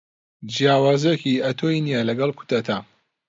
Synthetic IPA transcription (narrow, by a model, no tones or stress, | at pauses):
d͡ʒijaːwaːzjekiʔɐt̪ʰoinijalɐɡɐlˠkʰu̥t̪ɐt̪ʰa